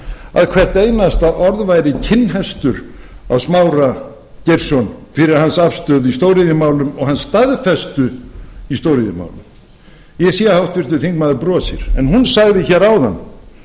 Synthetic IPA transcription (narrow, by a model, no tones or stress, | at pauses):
a̰ðkʰvɛr̥t̪ejnast̪aʔɔɾðvajɾɪcʰɪnːɦɛst̪ʏɾ | awsmaːwɾa | cejɾsɔnfɪɾɪɾ̥hansafst̪œːðist̪oːwɾɪðɪmaːwlʏmɔɣhansːt̪aðfɛst̪ʏist̪oːwɾɪðɪma̰ːwlʏm | jɛsijahawht̪vɪɾ̥t̪ʏθiŋk̚maðɪɾpɾɔːsɪ̰ɾ̥ɛnɦunsaɣðɪçɛɾawða̰nː